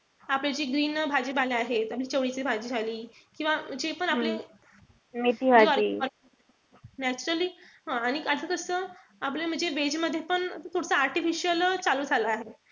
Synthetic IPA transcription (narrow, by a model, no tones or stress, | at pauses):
apljat͡ɕiːɡɾiːnbʱad͡ʑiːbaleaɦet̪apliːt͡ɕəʋɽisibʱad͡ʑiːd͡zʱaliːkĩw̃ʋam̤əd͡ʑepəɳaple | miʈ̪iɦaaɾiɾ | næt͡ɕuɾəliːɦãaɽ̃ikad̪ʰʱəkəɾsə | aplem̤əɳd͡zeʋed͡ʑməd̪ʱːjepəɳt̪ʰoɽt͡səaɾʈifiɕiəlt͡saluːd͡zʱalaaɦe